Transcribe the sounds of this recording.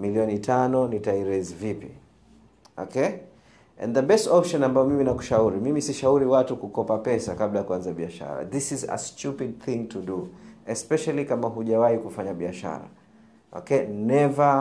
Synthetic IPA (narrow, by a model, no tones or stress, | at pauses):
miliɔnitʰanɔnitaiɾezivipḭ | ɔ̰kʰɛ | ɛ̰̃nðəbɛstɔpʃɔnambaɔmiminaku̥ʃauɾimimisiʃauɾiwatukukɔpapɛsakablajakuwanzaɓiaʃa̰ɾa̰ðisizə̰stupid̚θĩŋtʰuɗuɛspɛʃalikamaɦuʄawaikufaɲaɓiaʃa̰ɾa̰ | ʔɔ̰kɛnɛvə